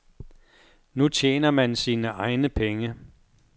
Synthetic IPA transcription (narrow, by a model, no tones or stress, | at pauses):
nut͡ɕʰjḛːnɐmænsiːnəʔɑ̈ɪnəpʰeŋə